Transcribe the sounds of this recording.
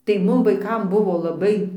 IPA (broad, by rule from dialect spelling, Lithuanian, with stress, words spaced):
tɐɪ ˈmʊm ʋɐɪˈkɐm ˈbʊʋoː lˠɐˈbɐɪ